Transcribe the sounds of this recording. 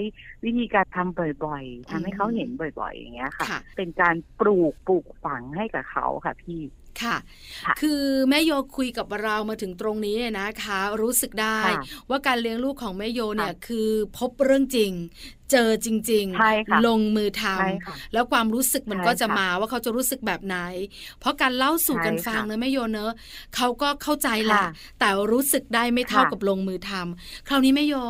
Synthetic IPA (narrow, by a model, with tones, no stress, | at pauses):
a˦˥jwi˦˥t̪ʰiː˧kaː˧nt̪ʰa˧mbɔ˨˩jbɔ˨˩jt̪ʰa˧mha˥˩jkʰa˦˥whe˩˦nbɔ˨˩jbɔ̰˨˩ja̰˨˩ŋːi˦˥ɐ˧kʰa˦˥a̰˥˩pe˧nkaː˧npɾuː˨˩k̚puː˨˩k̚fa˩˦ŋha˥˩jka˨˩kʰa̰˦˥wkʰa̰˥˩p̪ʰiː˥˩ | kʰa˥˩ | kʰɯː˧mɛː˦˥joː˧kʰu˧jka˨˩p̚ɾa˧wmaː˧t̪ʰɯ˩˦ŋt̪ɾo˧ŋniː˦˥la˧˩na˦˥kʰa˦˥ɾuː˦˥sɯ˨˩k̚daː˥˩jwaː˥˩kaː˧nli˧˥əŋluː˥˩kʰːɔː˩˦ŋmɛː˦˥˩joː˧ni˥˩ɐkʰɯː˧pʰo˦˥p̚ɾɯ˥˩əŋt͡ɕi˧ŋ | t͡ɕɤː˧t͡ɕi˧ŋt͡ɕi˧ŋlo˧ŋmɯː˧t̪ʰa˧mlɛː˦˥wkʰwaː˧mɾuː˦˥sɯ˨˩k̚ma˧nkɔː˥˩t͡ɕa˨˩maː˧waː˥˩kʰa˦˥wt͡ɕa˨˩ɾuː˦˥sɯ˨˩k̚bɛː˨˩p̚na˩˦j | pʰɔ˦˥kaː˧nla˥˩wsuː˨˩ka˧nfa˧ŋnɯ˦˥maː˦˥˩joː˧nɤ˦˥ | kʰa˦˥wkɔː˥˩kʰa˥˩wt͡ɕa˧jla˨˩ʔ | t̪ɛː˨˩ɾuː˦˥sɯ˨˩k̚daː˥˩jma˥˩jt̪ʰa˥˩wka˨˩p̚lo˧ŋmɯː˧t̪ʰa˧mkʰɾaː˧˥˩wniː˦˥ma˥˩joː˧